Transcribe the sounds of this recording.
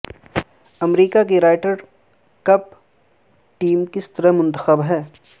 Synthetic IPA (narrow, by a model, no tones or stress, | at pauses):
ɐmɾiːkak̬eɾaːɪʈəɾ | kɐp̚ | ʈiːmkɪst̪əɾəɦmʊ̃nt̪əxəbɦɛː